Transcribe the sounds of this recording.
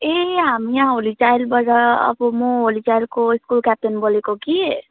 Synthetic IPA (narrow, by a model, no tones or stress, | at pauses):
eɦamiãɦolit͡ʃajlbaɾaə̰bumoɦolit͡ʃajlkoiskulkap̚ʈenbolekoki